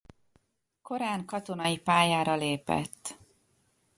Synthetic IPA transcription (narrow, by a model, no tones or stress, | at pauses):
ko̞ɾaːŋkɒt̪o̞nɒjipaːjaːɾɒleːpɛ̰t̪ː